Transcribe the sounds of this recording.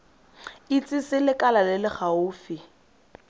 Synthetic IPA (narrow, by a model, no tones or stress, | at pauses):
it͡sʼisɪlɪkʼalalɪlɪχaʊːfi